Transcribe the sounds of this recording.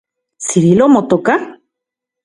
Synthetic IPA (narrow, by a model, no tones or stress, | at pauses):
t͡siɾilomot̪oka